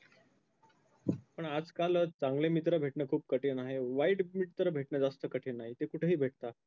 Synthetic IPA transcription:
pəɳad͡zkalt͡sãŋɡlemit̪ɾəbʱeʈnəkʰuːp̚kəʈʰenaɦeʋaiʈmiʈt̪ɾəbʱeʈnəd͡zast̪əkəʈʰenaɦit̪ekuʈʰəɦiːbʱeʈ̚t̪a

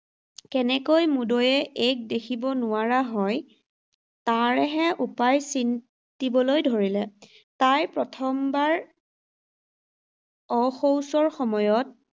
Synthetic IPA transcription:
kɛnɛkojmudojɛʔek̚dekʰibɔnʊaɹaɦɔj | taɹɛɦɛʔupajsin | tibɔlojdʱoɹilɛ | tajpɹɔtʰɔmbaɹ | ɔxowsɔɹxɔmɔjɔt̚

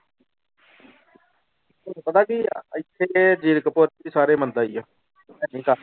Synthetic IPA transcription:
nũːpət̪aːkiɪt̪ʰːeːd͡ʒiːɾkpoːɾiːsaːɾeːmənd̪aːiːoː | ɛːnĩːka

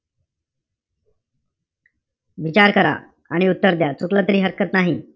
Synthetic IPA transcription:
ʋit͡ɕaɾkəɾa̰ | aɽ̃iut̪ːəɾd̪jat͡suklət̪ɾiːɦəɾkət̪naɦi

